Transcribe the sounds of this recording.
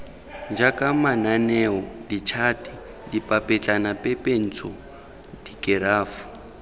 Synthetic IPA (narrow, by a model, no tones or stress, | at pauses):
nd͡ʒakʼamananɛɔdit͡ʃʰatʼi | dipʼapʼɛt͡ɬʼanapʼɛpʼen̩t͡sʰɔ | dikʼɛɾaːfu̥